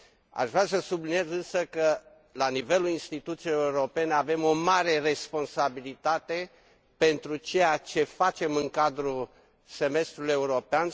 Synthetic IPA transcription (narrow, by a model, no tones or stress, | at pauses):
a̰ʃvɾasəsublinije̞zɨnsəkə | lanive̞luinst̪it̪ut̪sijejeuɾo̞pe̞neave̞mo̞maɾe̞re̞spo̞nsabilit̪at̪e̞ | pe̞nt̪ɾut͡ʃe̞jat͡ʃe̞fat͡ʃe̞mɨŋkad̪ɾu | se̞me̞st̪ɾuluje̞uɾo̞pean